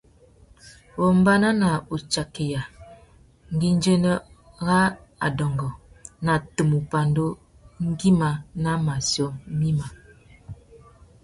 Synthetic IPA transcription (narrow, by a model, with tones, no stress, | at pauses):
bɔ˨m̩˦ba˦na˦na˨u˨t͡ʃa˨ke˨ja˨ | ŋ̩˦ɡi˦n˦d͡ʒe˦nə˦ | ɣa˦a̰˨dɔ˨ŋɡɔ˨na˨tə˨mu˨pa˨ndo˦ | ŋ̩˦ɡi˦ma˨na˦ma˨sjo˦mi˦ma˨